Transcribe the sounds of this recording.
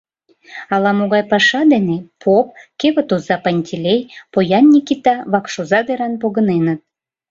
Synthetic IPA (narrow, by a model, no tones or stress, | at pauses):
ɑlɑmoɣɑjpɑʃɑd̪enepʰop̚keβə̆t̪ozɑpɑnʲtʲilʲejpojɑnːʲikʲit̪ɑβɑkʃozɑd̪eɾɑnpoɣə̆nenə̆t̪̚